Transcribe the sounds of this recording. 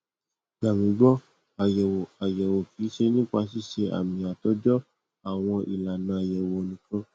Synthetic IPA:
ɡa˨mĩ˨˦ɡ͡bɔ˦ | a˨jɛ˨wo˨a˨jɛ˨wo˨ki˨˦ʃe˧nĩ˦˨kk͡pʷa˧s̬i˦˨ʃe˧ʔa̰˨mĩ˧a˨tɔ˨˦d͡ʒɔ˦ | a˦˨w̃ɔ̃˧ʔḭ˨la˨nã˧˦a˨jɛ˨wo˨o˨˧nĩ˨˦kɔ̃˦

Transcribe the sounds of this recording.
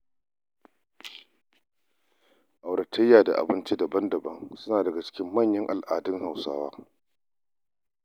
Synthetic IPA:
ʔa˨wɽɐ˨tʰɐ˦jːaː˨da̰˨ʔa̰˨bɪ˦nt͡ʃi˦dɐ˨bɐ˦ndɐ˨bɐ˦ŋsʊ˦naː˨dɐ˨ɡa˨t͡ʃɪ̥˦kʲɪ˦mːɐ˦˨ɲjɐ˦ŋʔa˨lʔaː˨dɪ˦ŋha˨wsa̰ː˦waː˦

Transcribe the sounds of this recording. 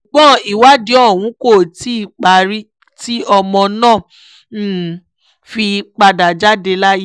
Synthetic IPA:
u˨ɡ͡bɔ̃˦˨i˨wa˦di˦ɔ˦˨w̃ũ˨˦ko˦˨ti˦i˦˨k͡pa˨˦ɾi˦ | ti˦ɔ˧mɔ̃˧nãː˦˨˦ | fi˧k͡pa˧da˨d͡ʒa˦de˧la˦ji˦

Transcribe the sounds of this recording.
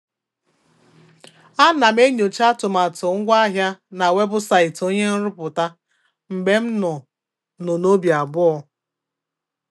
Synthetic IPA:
a˦na˨me˦ɲo˨t͡ʃa˦tʊ˨ma˨tʊ˨ŋ̩˦ɡʷa˦ɦja˦na˨we˦bʊ˦sa˨ɪ˨to˦ɲe˦n̩˦ɾʊ˦pʊ˨ta˦ | m̩˨ɡ͡be˦m̩˦nʊ˨ | nʊ˨no˦bja˨bʊ˦ɔ˦

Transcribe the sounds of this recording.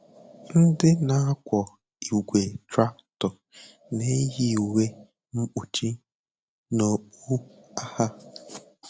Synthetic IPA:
n̩˦dɪ˦na˨a˦kʷɔ˨ | i˨ɡʷe˨tɾa˦ktɔ˨ | ne˦ɦi˦˨we˦ | ŋ͡m̩˦k͡pu˨t͡ʃi˦ | no˨k͡pu˦ | a˦ha˦

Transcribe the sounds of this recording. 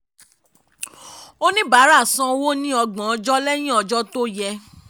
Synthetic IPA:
o˦nĩ˦ba˨˦ɾa˦˨sã˧wo˦nĩ˦ɔ˧ɡã˨ɔ˨˧d͡ʒɔ˦lɛ˦j̃ĩ˦ɔ˧d͡ʒɔ˦to˦jɛ˧

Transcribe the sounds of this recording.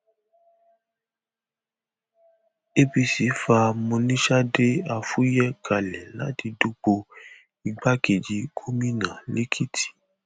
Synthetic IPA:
e˦bi˧si˨˦fa˧mũ˧nĩ˦ʃa˦de˦a˧fu˦jɛ˦kʰa˨lɛ˨la̰˨˦ti˧du˦ɡ͡bo˧ | i˧ɡ͡ba˦ke˨d͡ʒi˨˦ɡʰo˦mĩ˦nã˨li˦kʰi˦tʰi̥˨

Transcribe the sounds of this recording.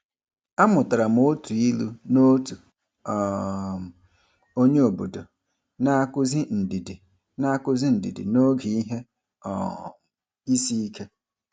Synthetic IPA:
a˦mʊ˨ta˨ɾa˨m̩˨o˦tu˨i˦lu˦no˦tu˨ | o˦ɲe˦o˨bo˨do˨ | na˦a˦kʊ˦zi˦n̩˨di˨di˨ | na˦a˦kʊ˦zi˦n̩˨dḭ˨dḭ˨no˦ɡi˨i˦ɦe˦ | ɔ̰˨ | i˦si˦i˦kʰe˦

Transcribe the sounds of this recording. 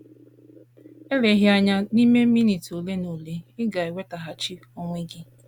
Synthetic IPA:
e˦le˨˦ɦɪ˦a˦ɲa˦ni˦me˦mi˦ni˨to˨le˦no˨le˦ɪ˦ɡa˨i˨we˦ta˨ɦa˨t͡ʃi˦o˦ŋʷe˦ɡɪ˦

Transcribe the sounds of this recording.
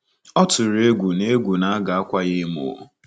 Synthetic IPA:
ɔ˦tʊ˨ɾe˦ɡʷu˨ne˦ɡʷu˨na˦a˦ɡa˨a˦kʷa˦ɣɪ˦mo̰˨

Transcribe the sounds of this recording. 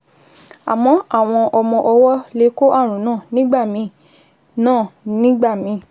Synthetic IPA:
a̰˨mɔ̃˨˦a˦˨w̃ɔ̃˧ʔɔ˧mɔ̃˧ʔɔ˧wɔ˦le˨˦ko˦ʔa˦˨ɾ̃ũ˨˦nãː˦˨nĩ˦ɡ͡ba˦˨mĩ˧˦ | nãː˦˨nĩ˦ɡ͡ba˦˨mĩ˨˧˦

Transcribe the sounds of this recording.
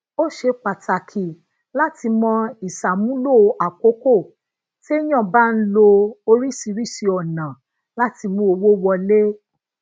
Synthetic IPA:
o˦ʃe˧k͡pa˨ta˨kʰi˨ | la˦ti˧mɔ̃˧i˨sa˨mũ˦lo˦˨˧ʔa˨ko˨˦ko˦˨ | te˦j̃ã˦˨ba˦n̩˦lo˧o˧ɾi˦˨si˧ɾi˦˨si˧ɔ˨nã˨ | la˦ti˧mũ˧˦o˧wo˦wɔ˧le˦

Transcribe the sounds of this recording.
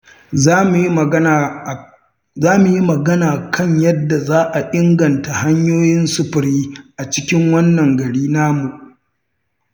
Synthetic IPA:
zaː˦mu˨ji˦mɐ˨ɡɐ˦naː˨kʰɐ˦ɲjɐ˦dːa˨zaː˦ʔa˨ʔɪ˦ŋɡɐ˨nta˨ha˦ɲjoː˦jɪ˦nsʊ˦˨ɸɪ˨ɾiː˦ʔa˨t͡ʃɪ˦kʲɪ˦ŋwɐ˦nːɐ˨ŋɡɐ˨ɽiː˦naː˦mu˨ʔ

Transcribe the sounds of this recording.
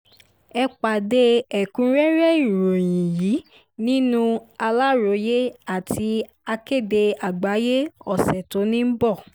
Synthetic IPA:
ɛ˧k͡pa˨de˧˦ɛ˨kũ˨˦ɾɛ˦ɾɛ˦i˦˨ɾo˨jĩ˨ji˨˦ | nĩ˦nũ˦a˧la˦ɾo˨˦je˦a˦˨tʰi˧˦ | a˧ke˦˨de˧a˨ɡ͡ba˨˦je˦ɔ˦˨sɛ˨to˨˦nĩ˦m̩˦bɔ˦˨

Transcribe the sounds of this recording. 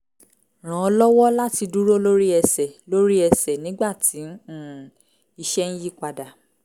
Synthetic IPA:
ɾ̃ã˨ɔ˧lɔ˦wɔ˦la˦ti˧du˦ɾo˦lo˦ɾi˦ɛ˧sɛ˨lo˦ɾi˦ɛ˧sɛ˨nĩ˦ɡ͡ba˦˨tʰi˨˦n˦ũ˦˨ | i˧ʃɛ˦n̩˦ji˦k͡pa˧da˨

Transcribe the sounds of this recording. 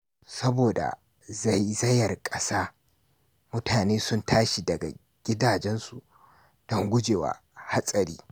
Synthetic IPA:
sɐ˦boː˨da̰˨ | za˦˨jzɐ˦jɐ˨rkʼɐ˦saː˦ | mʊ˦tʰaː˨neː˦sʊ˦ntʰaː˦ʃi˨dɐ˨ɡa̰˨ | ɡʲɪ˦daː˨d͡ʒɛ˦nsu˨ | d̥ɔ˦ŋɡʷʊ˦d͡ʒeː˨wa̰ː˨˦ | ha˦sʼɐ˨ɾiː˦

